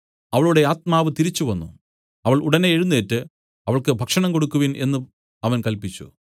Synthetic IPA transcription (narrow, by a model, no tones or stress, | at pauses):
ɐʋɐɭuɽe̞aːt̪̚maːʋɨt̪iɾit͡ɕːuʋɐnːṵ | ɐʋɐɭuɽɐneːɻunːeːtːɨ | ɐʋɐɭkɨbʱɐkʂɐɳɐmko̞ɽukːuʋine̞̰nːɨ | ɐʋɐnkɐlpit͡ɕːṵ